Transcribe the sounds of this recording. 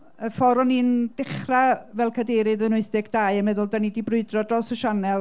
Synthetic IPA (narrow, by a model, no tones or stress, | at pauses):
əfɔɾɔnind̥ɪχravɛlˠkʰadeɾɨðənʊɨθɪɡd̥ajəmɛðʊlˠdanidibrʊɨdrɔdrɔːsəʃanɛlˠ